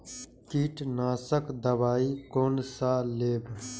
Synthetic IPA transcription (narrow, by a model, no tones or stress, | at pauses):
kiːʈnaːsəkd̪ɐbaːiːkoːnsaːleːb